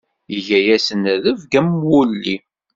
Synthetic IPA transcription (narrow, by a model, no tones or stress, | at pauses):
iʝæjæsənæðəvɡæmwulːi